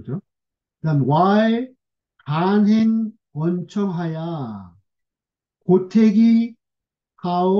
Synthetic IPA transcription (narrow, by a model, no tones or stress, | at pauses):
ɯd͡ʑo | nanwae | kanɦin | wʌnt͡ɕʰʌŋɦaja | kotʰeɡi | kao